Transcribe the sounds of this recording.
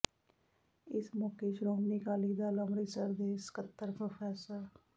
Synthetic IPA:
ɪsmɔːkeʃɾoːmnikaːliːd̪aːləmɾiːsəɾd̪eːskət̪ːəɾpəpʰɛːsa

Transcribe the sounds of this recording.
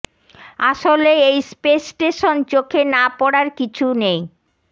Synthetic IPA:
aʃoleejspesʈeʃont͡ɕokʰenapɔɽaɾkit͡ɕʰunej

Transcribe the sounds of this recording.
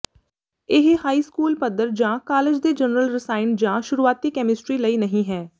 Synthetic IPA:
ɪɦhaːiːskuːlpəd̪əɾd͡ʒãːkaːlɪd͡ʒd̪eːd͡ʒənɾəlɾɪsaːɪnd͡ʒãːʃʊɾuːaːt̪iːkɛːmɪsʈɾiːləiːnəɦĩːɦɛː

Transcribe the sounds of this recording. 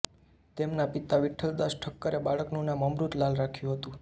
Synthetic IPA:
t̪emnapit̪aʋɪʈʰːəld̪aʃʈʰəkːəɾebaɭəknũnaməmɾut̪lalɾakʰjũɦət̪ũ

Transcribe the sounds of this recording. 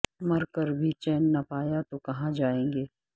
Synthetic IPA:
mɐɾkɐɾbʱit͡ʃɛːnːapaːjat̪okɐɦãd͡ʒaːẽːŋɡeː

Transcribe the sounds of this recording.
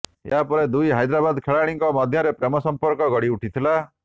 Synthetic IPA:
eɦapɔɾed̪ujɦajd̪ɾabad̪kʰeɭaɽ̃iŋkɔmɔd̪ʱjɔɾepɾemɔsɔmpɔɾkɔɡɔɽiuʈʰit̪ʰila

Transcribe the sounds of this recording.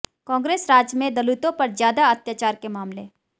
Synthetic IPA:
kɔ̃ːŋɡɾeːsɾaːd͡ʒmẽd̪ɐlut̪õpɐɾzjaːd̪aɐt̪jaːt͡ʃaːɾkemaːmle

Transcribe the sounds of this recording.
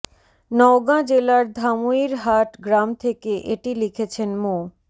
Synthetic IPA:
nɔoɡãd͡ʑelaɾd̪ʱamuiɾɦaʈɡɾamt̪ʰekeʔeʈilikʰet͡ɕʰenmo

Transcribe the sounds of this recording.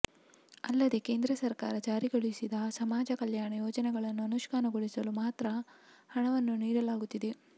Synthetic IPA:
ɐlːɐd̪e̞ke̞ːnd̪ɾɐsɐɾkaːɾɐd͡ʒaːɾiɡɐɭisid̪ɐsɐmaːd͡ʒɐkɐljaːɳɐjoːd͡ʒɐnɛɡɐɭɐnːuɐnuʃkaːnɐɡoɭisɐlumaːt̪ɾɐhɐɳɐʋɐnːuniːɾɐlaːɡut̪ːid̪e̞

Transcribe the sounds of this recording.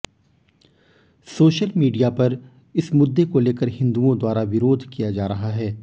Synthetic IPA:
soːʃəlmiːɖijapɐɾ | ɪsmʊd̪ːekoleːkəɾɦɪ̃nd̪uõd̪waːɾaʋɪɾoːd̪ʱkijad͡ʒaːɾɐɦaɦɛː

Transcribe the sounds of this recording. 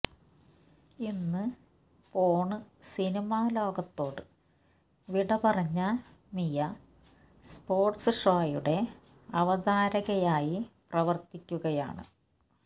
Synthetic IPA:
inːɨ | poːɳɨsinimaːlo̞ːɡɐt̪ːo̞ːɽɨ | ʋiɽɐpɐrɐɲːɐ | mijɐ | spo̞ːrʈsɨʂaːjuɽe̞ | ɐʋɐd̪aːɾɐɣɐjaːjiprɐʋɐrt̪ikʲːuɣɐja̰ːɳɨ̰

